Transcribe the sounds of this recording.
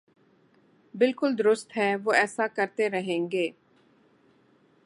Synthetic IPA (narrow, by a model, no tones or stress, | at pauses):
bɪlkʊld̪ʊɾʊst̪ɦɛʋoːɛːsakɐɾt̪eɾɐɦẽːŋɡeː